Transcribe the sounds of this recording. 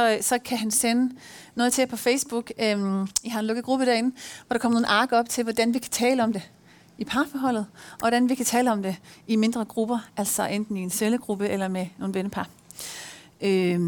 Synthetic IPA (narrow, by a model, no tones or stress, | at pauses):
sɒ̽sɒ̽kʰæɦænsenə | noɔð̞̩ˠt͡sʰe̝pʰɒ̽feɪsb̥uɡ̥mjhɑ̈ænlɔ̽ɡ̥ð̩ˠɡ̥ʁub̥əd̥æɐe̝nn̩ʋɒɾ̥ɑ̈kʰɒm̰ɐno̝ːn̩ɑ̈ːɡ̥ɐɒ̽b̥̚t͡sʰe̝lʋɒd̥ænʋikʰæ̥t͡sʰɛːləɒ̽md̥e̝ | ipʰɑ̈fɒɦɒ̽l̰ð̩ˠɒ̽ʋɒɾ̥ænʋikʰæt͡sʰɛːləɒ̽md̥e̝ime̝nd̥ʁɐɡ̥ʁub̥ɐælsɒ̽ʔend̥n̩ie̝nseləɡ̥ʁub̥əʔelɐmeno̝ːn̩ʋenəpʰɑ̈ | ø